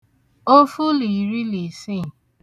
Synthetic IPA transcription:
o˦fu˦li˨ɾi˦li˨si˦˨

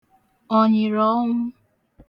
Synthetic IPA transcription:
ɔ˨ɲɪ˨ɾɔ˦ŋʷʊ˦

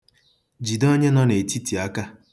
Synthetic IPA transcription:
d͡ʒi˨do˦ɲe˦nɔ˦ne˨ti˦ti˨a˦ka˦

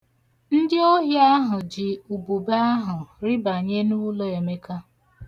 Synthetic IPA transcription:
n̩˦dɪ˦o˦ɦja˦ɦʊ˨d͡ʒɪ˨u˨bu˨ba˦a˦ɦʊ˨ɾɪ˦ba˨ɲe˦nu˦lo˦e˨me˦ka˦

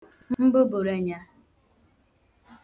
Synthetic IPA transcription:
m̩˦m̩˦bʊ˦bʊ˨ɾe˦ɲa˦

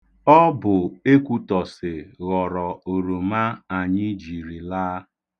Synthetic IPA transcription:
ɔ˦bʊ˨e˦kʷu˦tɔ˨sɪ˨ɣɔ˨ɾɔ˨o˨ɾo˨ma˦a˨ɲɪ˦d͡ʒi˨ɾi˨laː˦

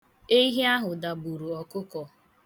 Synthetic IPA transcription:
e˦i˦ɦe˦a˦ɦʊ˨da˨bu˨ɾu˨ɔ˨kʊ˦kɔ˨

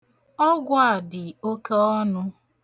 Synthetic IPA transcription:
ɔ˦ɡʷa˦a˨dɪ˨o˦ke˦ɔ˦nʊ˦

